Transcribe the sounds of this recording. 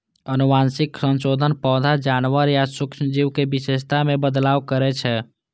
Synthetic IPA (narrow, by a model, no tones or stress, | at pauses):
ənumansɪksə̃nsod̪ʱənpɔːd̪ʱad͡ʒanwəɾjasʊkʃd͡ʒiwkebiʃest̪amẽbəd̪laːwkəɾɛt͡ʃʰɛ